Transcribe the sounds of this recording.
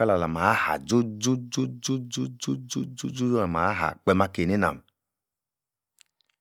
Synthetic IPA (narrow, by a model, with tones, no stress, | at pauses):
a˦la˨la˨ma˨a˦ha̰˨d͡ʒu˦d͡ʒu˦d͡ʒu˦d͡ʒu˦d͡ʒu˦d͡ʒu˦d͡ʒu˦d͡ʒu˦d͡ʒu˦d͡ʒu˦la˨ma˨a˦ɦa̰˨k͡pɛ˧ma˧ke˨ne˦na̰˨m˨